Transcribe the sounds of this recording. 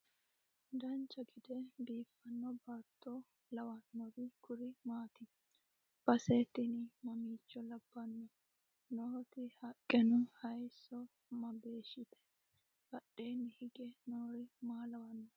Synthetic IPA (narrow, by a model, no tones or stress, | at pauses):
d̪ɐnt͡ʃːɐɡɪd̪ɛbiːfːɐnːɔbaːt̪ʰːo | lɐwɐnːɔɾɪkʊɾɪmaːt̪ɪ | b̥ɐseːt̪ːɪnɪmɐmiːt͡ʃːɔlɐbːɐnːɔ | nɔhɔt̪ɪhɐkʼːɛnʊhɐjsːɔ | mɐbeːʃɪt̪ɛ̥ | b̥ɐɗeːnːɪhɪɡɛnoːɾɪmaːlɐwɐnːɔ